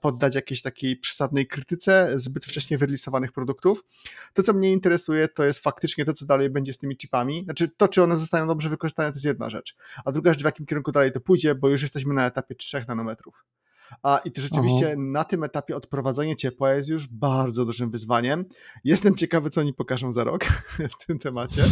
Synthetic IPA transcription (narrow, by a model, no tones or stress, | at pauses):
pɔd̪ːat͡ɕjakʲeɕt̪akʲejpʂɛ̥sad̪nɛjkɾɘt̪ɘt̪sɛzbɘt̪ft͡ʂɛɕɲejvɘɾɛlʲisɔvanɘxpɾɔd̪ukt̪uf | t̪ɔt̪sɔmɲɛint̪ɛɾɛsujɛt̪ɔjɛst̪fak̚t̪ɘt͡ʂɲɛt̪ɔsɔd̪alɛjbɛɲd͡ʑɛst̪ɘmʲit͡ʂɨ̥pamʲinat͡ʂɘt̪ɔt͡ʂɨɔnɛzɔst̪ajɔ̃w̃d̪ɔbʐɛvɘkɔʐɨst̪anɛt̪ɔjs̬jɛd̪na̰ʐɛ̰t͡ʂad̪ɾuɡaʐɛt͡ʂvjakʲimkʲɛɾuŋkud̪alɛjt̪ɔpujd͡ʑɛbɔjuʂ̬jɛst̪ɛɕ̬mɘnaɛt̪apʲjɛtʂɛxnanɔmɛt̪ɾuf | aʔit̪ɔʐɛt͡ʂɨviɕt͡ɕɛnat̪ɘmɛt̪apʲjɛɔt̪pɾɔvad̪zɛɲɛt͡ɕɛpwajɛst̪juʐbaɾd̪zɔd̪uʐɘmvɘzvaɲɛmjɛst̪ɛmt͡ɕɛkavɘt̪sɔɔɲipɔkaʐɔ̃w̃zaɾɔ̰kft̪ʰɘmt̪ɛmat͡ɕɛ